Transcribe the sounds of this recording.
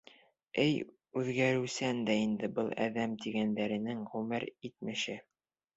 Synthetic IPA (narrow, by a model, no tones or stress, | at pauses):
ɘj | ʉðɡæɾɘ̆wsænd̪æind̪ɘbɤlˠæ̰ðæmt̪iɡænd̪æɾɘ̆nɘŋʁʉmɘɾit̪mɘ̆ʃɘ